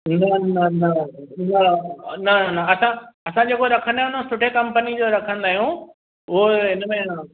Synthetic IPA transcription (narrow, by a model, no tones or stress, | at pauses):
nɐnɐnɐnɐnɐnɐɐsãɐsãd͡ʑeːkoɾɐkʰə̃nd̪aːɦũnosʊʈʰekɐ̃mpənid͡ʑoɾɐkʰə̃nd̪aːɦijũ | ʊɦoɦɪnəmẽ